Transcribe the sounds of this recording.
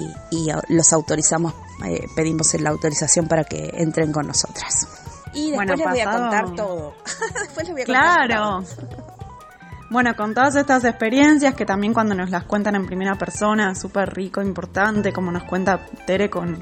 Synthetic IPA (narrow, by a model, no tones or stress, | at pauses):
iḭlo̞sawt̪o̞ɾisamo̞s | ḛpe̞ðimo̞selaːwt̪o̞ɾisasjo̞mpaɾake̞̰ḛnt̪ɾe̞ŋko̞nːoso̞̰t̪ɾḁs | iðeenwleβojakot̪aɾt̪oðod̪epweleβojaklaɾo | bwe̞no̞ko̞nt̪o̞ð̞as̬e̞st̪as̬ekspe̞ɾje̞nsjaske̞t̪ambje̞ŋkwand̪ono̞zlaskwe̞nt̪ane̞mpɾime̞ɾapeɾso̞naesuperriko̞impo̞ɾt̪ant̪e̞ko̞mo̞no̞skwe̞nt̪at̪eɾeko̞n